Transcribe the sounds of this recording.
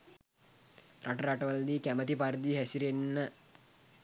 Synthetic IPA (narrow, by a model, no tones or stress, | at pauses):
rʔaʈɐɾaʈɐʋɐld̪ikæmət̪ipaɾd̪iɦɛsiɾenːə